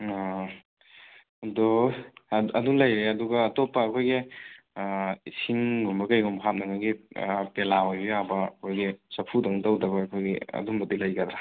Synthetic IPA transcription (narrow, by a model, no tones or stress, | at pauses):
dɔ | ɐdulɐjɾeɐduɡɐːtɔpːɐːkʰojɡi | isʰiŋɡɔmbɐkɐjɡɔmbɐɦat̚nɐŋɐɡipelaojbijabɐɐkʰojɡisɐpʰudɐŋtɐwdɐbɐːkʰojɡḭɐ̰dumbɐtdilɐjɡadɾa